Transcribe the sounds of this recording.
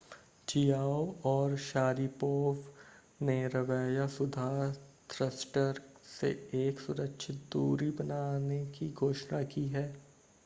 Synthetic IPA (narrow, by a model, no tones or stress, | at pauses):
t͡ʃijaːwɔːɾʃaːɾipoːf | neɾɐʋɛːjasʊd̪ʱaːt̪ɾəsʈəɾsḛeːksʊɾəkʃʰɪt̪̚d̪uːɾibɐnaːnekiɡʱoːʃnakiɦɛː